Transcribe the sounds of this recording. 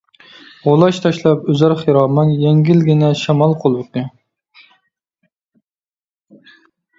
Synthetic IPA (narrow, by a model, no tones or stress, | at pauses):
ʁolˠɑʃt̪ʰɑʃlˠɑpøzæɾχeɾɑːmɑnjɛŋɡʲɪlɡʲɪnɛʃɑmɑlˠqʰolˠwɨq̪ɨ